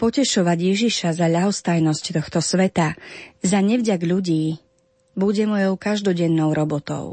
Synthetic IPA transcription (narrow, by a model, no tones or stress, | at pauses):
pɔcɛʃɔʋaɟjɛʒiʃazaʎaɦɔst̪ajnɔsct̪ɔxt̪ɔsʋɛt̪azaɲɛvɟaɡʎuɟiː | buɟɛmɔjɔʊkaʒd̪ɔɟɛnːɔʊɾɔbɔt̪ɔ̰ʊ